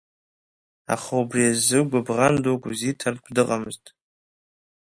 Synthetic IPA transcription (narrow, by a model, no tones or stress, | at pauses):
a̰χaubriazɨɡʷabʁandokʷʼuzitʰarkʷʰdɨqʼamɨztʼ